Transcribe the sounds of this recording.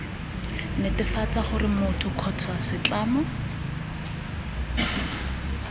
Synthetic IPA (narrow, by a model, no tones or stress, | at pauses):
nɪtɪfat͡saχʊrɪmʊtʰʊkʰɔt͡sʰwasɪt͡ɬaːmʊ